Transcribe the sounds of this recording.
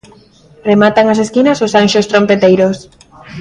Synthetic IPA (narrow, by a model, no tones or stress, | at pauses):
remat̪aŋas̬eskinasosanʲʃost̪ɾompet̪ejɾos